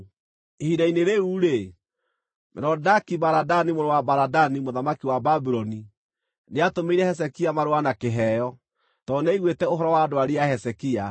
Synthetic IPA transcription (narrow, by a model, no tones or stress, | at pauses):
ehidaineɾeuːɾe | mḛɾɔdakibaɾadanimoɾowabaɾadanimoðamakiwababiɾɔni | neatomeiɾɛhɛs̬ɛkiamaɾowanakeɦɛjɔ | tɔnaiɣwetɛoɦɔɾɔwadoaɾeahɛsɛkia